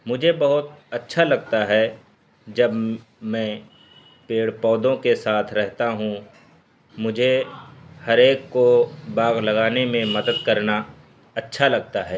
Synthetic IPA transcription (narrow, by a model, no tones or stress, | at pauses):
mʊd͡ʒʱebɐɦʊt̪ɐtːʃʰalɐɡt̪aɦɛ | d͡ʒɐb | mɛ̃ː | peːɽpɔːd̪õkesaːt̪ʰɾɛɦt̪aɦũ | mʊd͡ʒʱe | hɐɾeːkːobaːɡlɐɡaːnemẽmɐd̪əd̪̚kɐɾna | ɐtːʃʰalɐɡ̚t̪aɦɛː